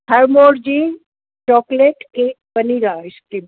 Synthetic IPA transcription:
hʰɐɾmoːɾd͡ʒiː | t͡ʃɔːkleːʈkeː | bɐniɾaaɪskim

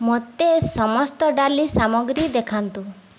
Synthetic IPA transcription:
mot̪esɔmɔst̪ɔɖalisamɔɡɾid̪ekʰant̪u

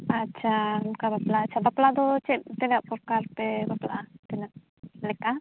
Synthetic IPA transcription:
atːt͡ʃʰankabaplaːt͡ʃʰabaplad̪ɔt͡ʃɛp̚t̪ɛnaʔpɔɾkaɾpɛbapla̰t̪ɛnaʔ | lɛka

